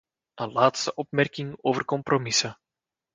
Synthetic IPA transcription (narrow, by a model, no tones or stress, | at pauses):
ʔənlaːtstəʔɔpmɛrkɪŋoːvərkɔmpromɪsə